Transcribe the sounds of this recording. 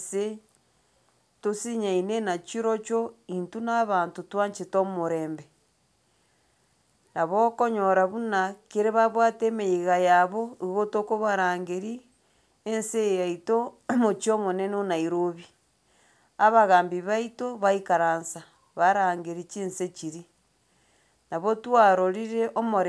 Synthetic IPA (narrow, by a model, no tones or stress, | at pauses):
se | tosiɲainenat͡ʃiɾot͡ʃointunaβaːntutwaɲt͡ʃetomoɾeːmbe | naβokoɲoɾaβunakeɾeβaβwatemeiɣajaβoiɣotokoβaɾaːŋɡeɾi | ensejaitomot͡ʃomonenonaiɾoβi | aβaɣaːmbiβaitoβaikaɾaːnsa | βaɾaːŋɡeɾit͡ʃinset͡ʃiɾi | naβotwaɾoɾiɾeʔomoɾ